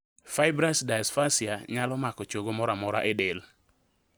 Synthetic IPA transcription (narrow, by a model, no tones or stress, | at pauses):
faɪbɾasdajasfasiaɲalɔmakɔt͡ʃoɡomɔɾamɔɾa̰ʔɛdel